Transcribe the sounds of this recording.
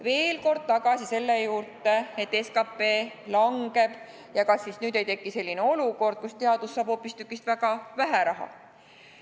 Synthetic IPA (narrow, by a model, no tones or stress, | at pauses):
ve̞ːlko̞rd̪̥̚t̪ɑɡ̥ɑsise̞lːejuːrt̪ːˑe̞et̪ˑːe̞skɑpːˑe̞ː | lɑŋɡ̥e̞b̥ | jɑkɑsːisnyːd̪̥e̞jt̪e̞kːise̞lʲːineo̞luko̞rd̪̥̚kust̪e̞ɑd̪̥usːɑːb̥ho̞pːˑist̪ykːˑist̪væɡ̥ɑvæɦæɾɑɦɑ̰